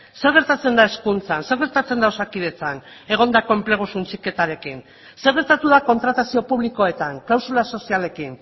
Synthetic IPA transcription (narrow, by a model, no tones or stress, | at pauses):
se̞ɾɣ̞e̞ɾt̪at͡se̞nd̪ae̞skunt͡sanse̞ɾɣe̞ɾt̪at͡se̞nd̪aosakið̞e̞t͡san | e̞ɣ̞o̞nd̪ako̞e̞mple̞ɣ̞usunt͡sike̞t̪aɾe̞kin | se̞ɾɣ̞e̞ɾt̪at̪uðako̞nt̪ɾat̪asio̞puβliko̞e̞t̪aŋklawsulaso̞siale̞kin